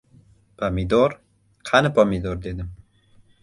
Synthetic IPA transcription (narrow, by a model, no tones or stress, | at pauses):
pʰamid̪ɔɾ | qʰanɪpamid̪ɔɾd̪ed̪ɪm